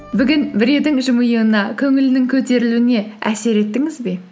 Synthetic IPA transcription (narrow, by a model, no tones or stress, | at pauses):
bʏɡʲɪnbɪɾe̞d̪ɪŋʒʊmujəənɑkʲʰɵŋɪlɪnɪŋkʲʰɵt̪e̞ɾɪluɪne̞æ̰se̞ɾe̞t̪ːɪŋɪzbe̞